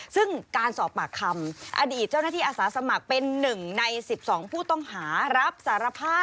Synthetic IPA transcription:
sɯ˥˩ŋkaː˧nsɔː˨˩pːaː˨˩kʰːa˧mʔa̰˧diː˨˩t̪̚t͡ɕaː˥˩wnaː˥˩iː˥˩ʔːsaː˩˦sa˧ma˨˩k̚pe˧nːɯ˨˩ŋna˧jsi˨˩p̚sɔː˩˦ŋpʰuː˥˩t̪ɔ˥˩ŋhaː˩˦ɾa˦˥p̚saː˩˦ɾa˧pʰaː˥˩

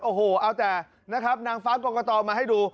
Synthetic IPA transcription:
ʔoː˧˩hoː˨˩ʔaː˧wt̪ɛː˨˩ | na˦˥kʰɾa˦˥p̚naː˧ŋfaː˦˥kɔː˧kɔː˧t̪ɔː˧maː˧ɦa˥˩jduː˧

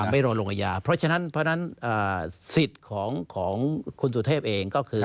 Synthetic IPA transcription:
ma˥˩jɾoː˧nlo˧ŋʔa˧˩jaː˧pʰɾɔ˦˥t͡ɕʰa˧na˦˥npʰɾɔ˦˥na˦˥nʔɤː˨˩si˨˩t̪̚kʰɔː˩˦ŋkʰɔː˩˦ŋkʰu˧nsu˨˩t̪ʰeː˥˩p̚ʔeː˧ŋkɔː˥˩kʰɯː˧

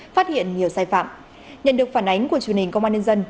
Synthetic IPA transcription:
faː˦˥t̚hḭ˧˨ənɲi˨˩əwsaː˧jfa̰ː˧˨m | ɲə̰˧˨nɗɨ˨˩ək̚faː˧˩nʔa˨˦jŋ̟ku˧˩ət͡ɕu˨˩ənhï˨˩ŋ̟kwʔaː˧nɲə˧nzə˧n

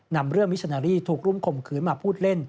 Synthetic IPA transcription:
na˧mɾɯ˥˩əŋwi˦˥sʰa˧naː˧ɾiː˥˩t̪ʰuː˨˩k̚ɾu˥˩mkʰo˨˩mkʰɯː˩˦nmaː˧pʰuː˥˩t̪̚le˥˩n

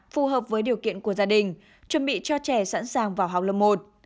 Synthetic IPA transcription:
fu˨˩ɦəː˨˩p̚vəː˨˦jɗi˨˩əwkḭ˧˨ənku˧˩əzaː˧ɗï˨˩ŋ̟ | t͡ɕwə˧˩nɓḭ˧˨t͡ɕɔ˧t͡ɕɛ˧˩sa̰ː˧˥nsaː˨˩ŋvaː˨˩wɦa˨˩wk͡p̚lə̰˧˩mo˨˩t̚

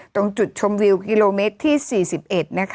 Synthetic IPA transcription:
t̪ɔ˥˧ŋt͡ɕu˨˩t̪̚t͡ɕʰo˧mwi˧wki˧loː˧meː˦˥t̪ʰːiː˥˩siː˨˩si˨˩p̚ʔe˨˩t̪̚na˦˥kʰ

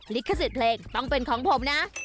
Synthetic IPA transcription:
li˦˥kʰːa˧s̬i˨˩pʰleː˧ŋt̪ɔ˥˩ŋpe˧nkʰɔː˩˦ŋpʰo˩˦mna˦˥ʔ

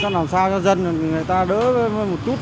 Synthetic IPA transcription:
aː˧˥k̚naː˨˩msaː˧wa˧zə˧n˨˩i˨˩ŋ˨˩əjt̪aː˧ɗə̰ː˧˥və˧˩ə˧˩jmo˨˩t̚t͡ɕu˦˥t̚

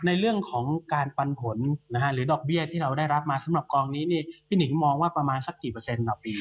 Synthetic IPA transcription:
na˧jɾɯ˥˩əŋkʰɔː˩˦ŋkaː˧npa˧npʰo˩˦nna˦˥kʰa˦˥ɾɯː˩˦dɔː˨˩k̚bi˥˩ət̪ʰiː˥˩ɾa˧wdaː˥˩jɾa˦˥p̚maː˧sa˩˦mɾa˨˩p̚kɔː˧ŋniː˦˥niː˥˩pʰiː˥˩ni˩˦ŋmɔː˧ŋwaː˥˩pɾa˧maː˧nsa˨˩k̚siː˨˩pɤː˧se˧ndɔː˨˩pːiː˧

